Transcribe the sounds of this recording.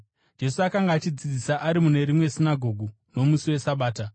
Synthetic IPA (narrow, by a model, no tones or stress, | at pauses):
d͡ʒe̞suakaŋɡaːt͡ʃid͡zid͡zisaʔaɾimune̞ɾimwe̞sinaɡʱo̞ɡʱu | no̞musiwe̞saɓaːta